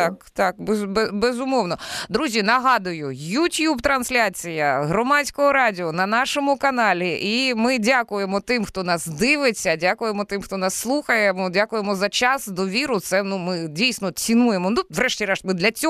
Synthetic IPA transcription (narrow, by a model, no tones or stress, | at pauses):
ɑkt̪ɑk̚bbɛbezʊmɔwnɔd̪ɾuzʲinɐɦɑd̪ʊjʊjutʲjubt̪ɾɐnsʲlʲat͡sʲijɐɦɾɔmɑt͡sʲkɔɦɔɾɑdʲiɔnɐnɑʃɔmʊkɐnɑlʲiʔimɪdʲakʊjemɔt̪ɪmxt̪ɔnɑsd̪ɪʋɪt͡sʲːɐdʲakʊjemɔt̪ɪmxt̪ɔnɑsːlˠuxɐjemɔdʲakʊjemɔzɐt͡ʃɑsd̪ɔʋʲiɾʊt̪sɛnumɪdʲijsʲnɔt͡sʲinujemɔnuʋɾɛʃtʲiɾɛʃmɪd̪lʲɐt͡sʲɔ